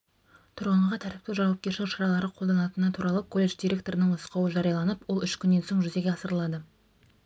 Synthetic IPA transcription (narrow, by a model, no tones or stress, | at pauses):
t̪ʰʊɾʁəɴʁɑt̪ʰæɾɪp̚t̪ewʒɑwɑp̚kʲe̞ɾʃɪŋʃɑɾɑlˠɑɾəqʰo̞ld̪ɑnɑt̪ənət̪ʰuɾɑlˠəkʰo̞lʲːe̞ʃd̪iɾe̞k̚t̪o̞ɾənəɴʊsqɑwəʒɑɾijɑlˠɑnəpwo̞lˠʏʃkʲʰʏnːe̞nso̞ɴʒʏze̞ɡʲeɑsəɾəlˠɑd̪ə